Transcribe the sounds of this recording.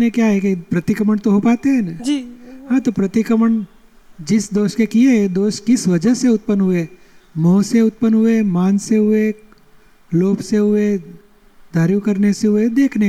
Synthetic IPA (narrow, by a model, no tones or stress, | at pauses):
nekjaɦɛkepɾɐt̪ɪkɾəməɳ̃t̪oɦopaːt̪eɦɛ̃nd͡ʒiɦãt̪opɾət̪ɪkɾəməɳ | d͡ʒɪsd̪oːʃkekied̪oːʃkɪsʋɐd͡ʒəseʊt̪̚pənɦʊe | mɔ̃ːseʊt̪̚pənɦuemaːnseɦʊe | loːpseɦʊe | d̪ʱaːɾukəɾneseɦʊed̪eːkʰne